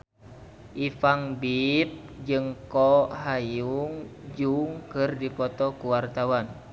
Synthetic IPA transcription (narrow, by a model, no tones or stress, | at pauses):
ʔifaŋbip̚d͡ʒɨŋkɔɦajuŋd͡ʒuŋkɨrdipɔt̪ɔkuwart̪awan